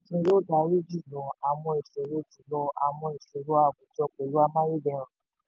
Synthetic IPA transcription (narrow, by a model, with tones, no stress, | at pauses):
se˧˦ɾo˦da˧˨˦ɾi˦d͡ʒi˦˨lɔ˧a˨w̃ɔ̃˧i˨ʃe˨˦ɾo˦ti˨˦lɔ˧a˨w̃ɔ̃˧i˨ʃe˨ɾo˦a˦˨ɡu˨˦tɔ˧k͡pe˨lu˦a˧mã˦je˦bɛ˧˦ɾ̃ã˨